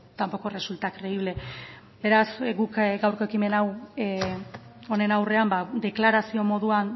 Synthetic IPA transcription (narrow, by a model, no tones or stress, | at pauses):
t̪ampo̞ko̞result̪akɾe̞iβ̞le̞ | be̞ɾasɡukɡawɾko̞e̞kime̞naw | o̞ne̞nawre̞ambad̪e̞klaɾasio̞mo̞ðuan